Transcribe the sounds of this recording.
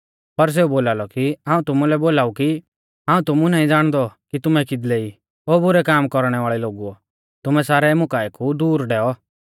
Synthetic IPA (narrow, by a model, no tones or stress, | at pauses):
pɐɾs̬eːuboːlaːlɔkiãːũt̪ʊmulɛboːlaːuki | ãːũt̪ʊmunaːĩd͡zaːɽ̃d̪ɔkit̪ʊmɛkɪd̪lɛi | oːbʊɾɛkaːmkɔɾɽ̃ɛʋaːɭɛloːɡuɔ | t̪ʊmɛsaːɾɛmʊkaːɛkʰud̪uːɾɖɛːɔ